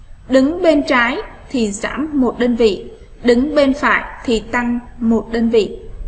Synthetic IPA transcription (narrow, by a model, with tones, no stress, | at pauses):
ɗɨ˨˦ŋɓe˧nt͡ɕaː˨˦jt̪ʰi˨˩za̰ː˧˥mːo˨˩t̚ɗəː˧nvḭ˧˨ | ɗɨ˨˦ŋɓe˧nfa̰ː˧˨jt̪ʰi˨˩t̪a˧ŋmo˨˩t̚ɗəː˧nvḭ˧˨